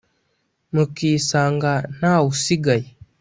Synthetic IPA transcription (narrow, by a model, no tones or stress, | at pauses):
mukiːsaːŋɡan̥awusiɡaji